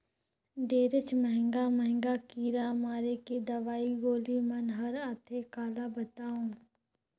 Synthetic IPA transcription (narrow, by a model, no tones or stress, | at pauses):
ɖeːɾɪt͡ʃmɛɦɪ̃ŋɡamɛɦŋɡakiːɾamaːɾeked̪ɐʋaːiɡoːlimɐnɦɐɾaːt̪ʰekaːlabɐt̪aːũː